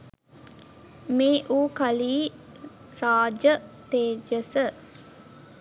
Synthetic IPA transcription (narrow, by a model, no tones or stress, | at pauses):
meːʔuːkaliː | ɾaːd͡ʒət̪eːd͡ʒəsə